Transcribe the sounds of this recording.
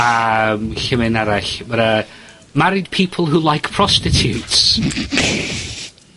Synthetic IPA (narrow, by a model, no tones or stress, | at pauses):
amɬəmɪnaɾaɬməɾə | maɾɪd̥̚pʰiːpʰəl̩ˠɦulˠajkpʰɹ̥ɔstɪtʰjuts